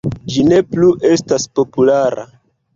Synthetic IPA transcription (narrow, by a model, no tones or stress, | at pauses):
d͡ʒine̞pluʔe̞staspo̞pulaɾa̰